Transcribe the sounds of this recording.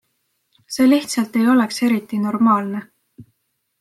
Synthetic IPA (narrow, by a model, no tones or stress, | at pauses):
se̞ːliht̪sɑlt̪ːe̞jo̞lekse̞ɾit̪ːˑino̞rmɑːlne̞